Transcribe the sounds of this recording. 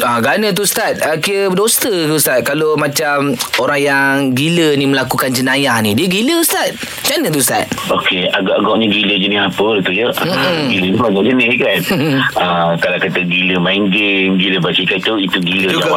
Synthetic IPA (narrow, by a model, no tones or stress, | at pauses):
aɡanət̪̬ust̪at̪̚əkiəbdost̪ət̪ust̪at̪̚kalomãt͡ʃamoɾaŋjaŋɡiləniməlakukand͡ʒənãjanidiəɡiləst̪at̪̚ | t͡ʃanə̃t̪̬ust̪a̰t̪̚okeaɡaʔaɡɔʔɲəɡiləd͡ʒənɪhapəlt̪ujəʔɡilənimaɡaʔd͡ʒənɪhkanəkalakat̪əɡiləmajŋɡenɡiləbat͡ʃikat̪uit̪uɡiləd͡ʒawa